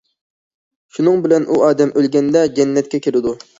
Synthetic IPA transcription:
ʃunɨŋbɪlɛnʔuɑːd̪ɛmʔølɡʲɛnd̪ɛd͡ʒɛnːɛt̪̚kʲɛkʲʰeɾɪd̪u

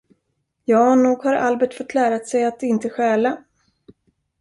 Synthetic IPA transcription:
jɑːnuːɡhaɾa̰lbɛʈfɔt̪ʰːlæːɾat̪sɛjat̪ɪnt̪əɧɛːla

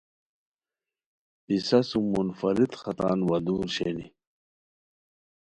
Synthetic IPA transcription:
pisɐsumunfɐɾit̪xɐt̪a̰ːnwɐd̪uːɾɕḛnḭ

